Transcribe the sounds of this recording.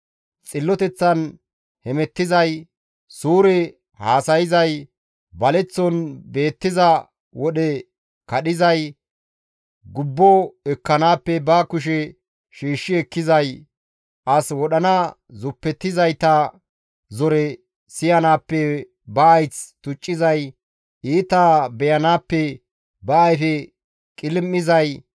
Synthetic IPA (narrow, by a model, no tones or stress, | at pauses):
t͡sʼɪlːɔt̪ɛt͡sːɐn | hɛmɛt̪ːɪzɐj | suːɾɛ | haːsɐjɪzɐj | bɐlɛt͡sːɔnbe̞ːt̪ːɪzɐ | wɔɗɛ | kɐɗɪzɐj | ɡʊbːɔɛkːɐnaːpːɛbɐkʊʃ̬ɛ | ʃiːʃːɪɛkːɪzɐj | ʔɐswɔɗɐnɐzʊpːɛt̪ːɪzɐjt̪ɐ | zɔɾɛ | sɪjɐnaːpːɛ | bɐɐjt͡st̪ʊt͡ʃʼːɪzɐj | iːt̪abɛjɐnaːpːɛ | bɐːjfɛ | kʼɪlmːɪzɐj